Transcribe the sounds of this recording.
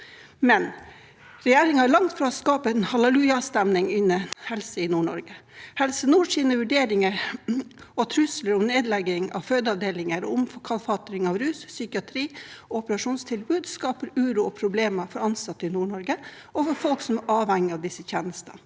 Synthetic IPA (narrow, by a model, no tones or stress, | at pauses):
mɛn | ɾɛjeːɾɪŋhɑɭɑŋt̪fɾɑɔskɑːpəɛnhɑlɛlʉːjɑst̪ɛmnɪŋɪnəhɛlsəɪnuːɳɔ̰ɾɡəhɛlsənuːʂiːnəʋʉɖeːɾɪŋəɾ | ɔt̪ʰɾʉsləɾɔmneːd̪lɛɡɪŋɑ̰ʋføːd̪əɑʋd̪eːlɪŋəɾʊmfɔkʰɑlfɑt̪ɾɪŋɑʋɾʉːssʏkɪɑt̪ʰɾiːɔɔpəɾɑʂuːnst̪ʰɪlbʉːd̪skɑːpəɾʉːɾuːɔpʰɾʊbleːməfɔɾɑnsɑt̪ːɪnuːɳɔɾɡə | ɔfɔɾfɔlksɔmʔɑːʋhɛŋːɪɑʋd̪ɪsːəçeːnəst̪ə̰